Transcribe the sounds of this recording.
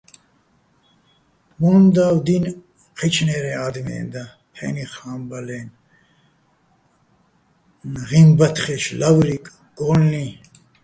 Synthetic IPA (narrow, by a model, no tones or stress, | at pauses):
mɔnd̪awd̪in | qʰit͡ʃʰnɛɾɛad̪mɛ̰ːnd̪a | pʰɛ̰niχaːmbalɛn | nʁimbɐt̪ʰχɛʃlawɾikʼ | ɡ̥ɔlni